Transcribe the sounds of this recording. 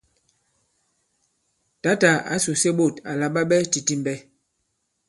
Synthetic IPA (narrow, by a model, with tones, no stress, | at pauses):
ta˨˦ta˨a̰˨˦su˨se˦ɓo˦˨ta˨la˨ɓa˦ɓɛ˦ti˨ti˦m˨bɛ˦